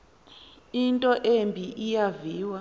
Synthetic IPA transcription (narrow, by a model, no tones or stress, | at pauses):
intʼɔʔembʱiʔijaviːwa